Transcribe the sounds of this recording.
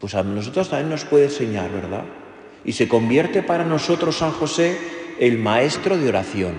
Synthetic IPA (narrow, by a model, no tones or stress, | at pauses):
pwe̞sano̞sot̪ɾost̪amjenːo̞spwe̞ðense̞ɲa̰ɾβe̞ɾða̰ | ise̞ko̞mbje̞ɾt̪e̞paɾano̞so̞t̪ɾo̞sːaŋxo̞se̞elmae̞st̪ɾo̞ð̞eo̞ɾaθjo̞n